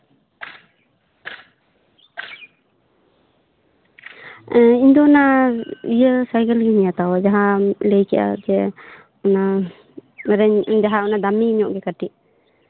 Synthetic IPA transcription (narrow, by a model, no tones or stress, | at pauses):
iɲd̪ɔnaijəsajkəlɡɛɲijat̪awad͡ʒaɦaləjkɛʔa̰d͡ʒɛ | ɔna | ɾɛɲd͡ʒaɦaɔnad̪amiːɲɔʔɡɛkaʈiʔ